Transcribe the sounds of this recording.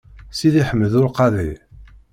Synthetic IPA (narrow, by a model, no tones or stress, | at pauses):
siðiħəmːəðʊɾqɑði